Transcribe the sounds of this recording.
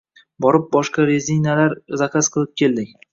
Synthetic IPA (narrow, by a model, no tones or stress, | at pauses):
bɒɾɪp̚bɒʃqɑɾezijnalaɾzaqʰasqʰɨlˠɪp̚kʲʰe̞ld̪ɪk̚ʲ